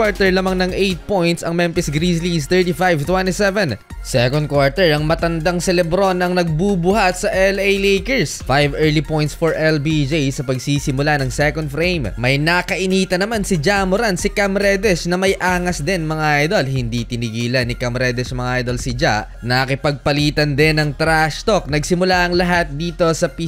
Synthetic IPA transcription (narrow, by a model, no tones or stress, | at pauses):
aɹt̪ɛɹlamaŋnɐŋʔejt̪̚po̞jnt̪sɐŋmɛmpɛsɡɾislist̪ɛɹt̪ifajvt̪wɛ̃nt̪isɛvɛn | sɛkond̪̚kwaɹt̪ɛɹɐŋmɐt̪ɐnd̪aŋsɛlɛbɾo̞nɐŋnɐɡ̚bubʊhat̪̚sɐʔɛlejlejkɛɹsfajvɛːɹlipojnt̪sfoɹʔɛlbid͡ʒejsɐpɐɡsisɪmʊlanɐŋsɛkond̪̚fɾejmmɐjnakɐʔiniːt̪ɐnɐmansɪd͡ʒamʊɾansɪkamɾɛd̪ɛʃnɐmɐjʔaːŋɐsd̪ɛnmɐŋaʔajd̪olhɪnd̪it̪ɪnɪɡiːlɐnɪkɐmɾɛd̪ɛʃmɐŋaʔajd̪olsɪd͡ʒa̰ʔ | nɐkɪpɐɡ̚pɐliːt̪ɐnd̪ɛnɐŋt̪ɾaʃt̪ok̚nɐɡsɪmʊlaʔɐŋlɐɦat̪̚d̪iːt̪o̞sɐpi